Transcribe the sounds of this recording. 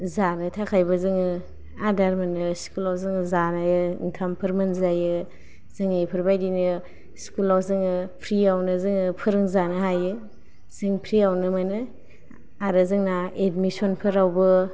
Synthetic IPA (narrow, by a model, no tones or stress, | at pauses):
zanɯtʰakʰajbɯzɯŋɯ | adaɾmɯnɯskulawzɯŋɯzanajɯḭntʰampʰɯɾmɯnzajɯ | zɯŋapʰɯɾbajdinɯ | skulawzɯŋɯpʰɾiawnɯzɯŋɯpʰɯɾɯŋzanɯɦajɯ | z̥ɯŋpʰɾiawnɯmanɯ | aɾɯzɯŋnaedmisonpʰɯɾawbɯ